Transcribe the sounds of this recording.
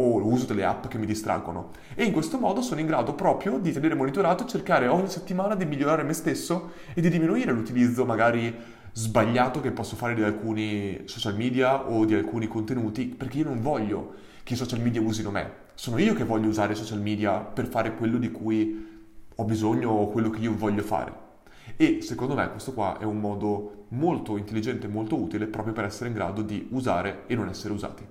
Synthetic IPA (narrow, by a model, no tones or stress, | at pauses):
oluːzod̪elːḛa̰pːk̟emːid̪ist̪ɾa̰ɡːono̰ | eiŋkwest̪omɔːd̪osoːnoiŋɡɾaːd̪opɾɔːpɾjod̪it̪eneːɾemonit̪oɾaːt̪ot͡ʃerkaːɾeɔɲːiset̪ːimaːnad̪imiʎːoɾaːɾemest̪esːo | ed̪id̪iminuiːɾelut̪ilid̪zːomaɡaːɾi | zbaʎːaːt̪okepːɔsːofaːɾed̪ialkuːnisɔt͡ʃalmiːd̪iaʔod̪ialkuːnikont̪enuːt̪iperk̟eiːonoɱvɔʎːo̰ | keisɔt͡ʃalmiːd̪jauːzinomḛ | soːnoiːokevːɔʎːouzaːɾeisɔt͡ʃalmiːd̪japerfaːɾekwelːod̪ikuːj | ɔbizoɲːokwelːokeiːovɔʎːofa̰ːɾḛ | esekond̪omḛkwest̪okwaʔɛ̰umːɔːd̪omolt̪oint̪elːid͡ʒɛnt̪eːmːolt̪ouːt̪ilepɾɔːpɾjopeɾɛsːeɾeiŋɡɾa̰ːd̪od̪iuzaːɾeenːonɛsːeɾeuza̰ːt̪i̥